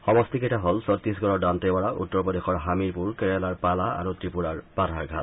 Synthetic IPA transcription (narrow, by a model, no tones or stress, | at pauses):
xɔmɔstikɛtaɦolsɔt̪ːisɡɔɹɔdantebaɹaʔṵtːɔɹpɔdexɔɹɦamiɹpuɹkɛɹɛlaɹpalaa̰ɹutɹipuɹaɹpadʱaɹɡʱa̰t̚